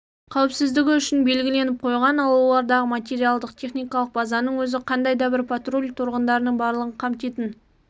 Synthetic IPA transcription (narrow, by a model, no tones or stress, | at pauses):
qʰɑwɪpsɪzd̪ɪɡʲɪʏʃɪnbe̞lɡʲɪle̞nɪp̚qʰo̞jʁɑnɑlˠwolˠɑɾd̪ɑʁəmat̪̬ʲe̞ɾijalˠd̪əqt̪ʲʰe̞χnijkɑlˠəq̚bɑzɑnəɴwɵzɪqʰɑnd̪ɑjd̪ɑbɪɾpʰat̪ro̞lʲt̪ʰʊɾʁənd̪ɑɾənəɴbɑɾlˠəʁəɴqʰɑmt̪e̞t̪ɪn